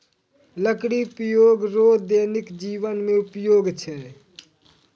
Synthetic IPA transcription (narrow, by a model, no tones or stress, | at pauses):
ləkɽipəjoːɡɾoːd̪eːnɪkd͡ʒiːʋənmẽʊpjoːɡt͡ʃʰɛː